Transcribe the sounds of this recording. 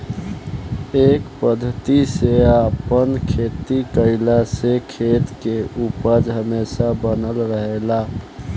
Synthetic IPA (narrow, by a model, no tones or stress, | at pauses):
ekpəd̪ʱːət̪iseapənkʰet̪ikəɪlasekʰet̪keupəd͡ʒɦəmesabənəlɾəɦela